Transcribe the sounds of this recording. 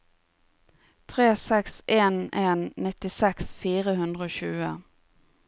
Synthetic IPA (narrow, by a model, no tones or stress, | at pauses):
t̪ʰʁeːsɛksʔeːneːnnɪt̪ɪsɛksfiːʁəhʉnd̪ʁəoːɕʉːə